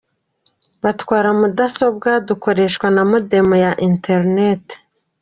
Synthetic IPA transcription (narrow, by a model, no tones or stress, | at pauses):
βatkwaːɾamudaso̞b̚ɡaduko̞ɾe̞ʃkwanamude̞mojaʔinteɾnete̥